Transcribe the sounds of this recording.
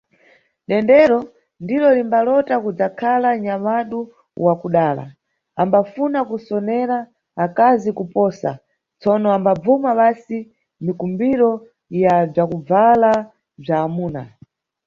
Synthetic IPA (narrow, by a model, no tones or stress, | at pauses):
ɗɛndɛɾɔ | ndiɾɔlimbalɔtakud͡zakʰalaɲamaɗu | wakuɗaːla̰ | ambafunakusɔnɛɾaː | kazikupɔsa̰ | t͡sɔnɔambab͡vumaɓasi | mikumbiɾɔ | jab͡ʐakub͡vala | b͡ʐaːmuːna̰